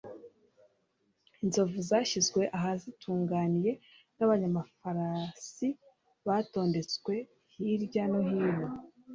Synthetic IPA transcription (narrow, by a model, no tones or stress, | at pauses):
inzo̞vuzaːçizɡwe̞ʔaɦazitʰuːŋɡaːnije̞ | naβaɲamafaɾasi | βaːto̞ːnde̞t͡skwe̞ | hiɾɟanoɦiːno